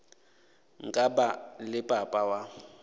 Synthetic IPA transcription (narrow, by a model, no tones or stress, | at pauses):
ŋ̩kʼabalɪpʼapʼawa